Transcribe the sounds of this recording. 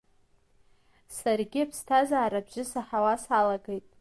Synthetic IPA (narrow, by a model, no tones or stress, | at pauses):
sarɡʲɪapʰstʰazaːɾabʒɪsaħawasalaɡejtʼ